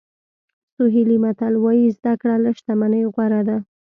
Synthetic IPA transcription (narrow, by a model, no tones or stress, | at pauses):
sʊɦilimat̪alwajizd̪akɽaləʃt̪amanəjɣwaɾad̪a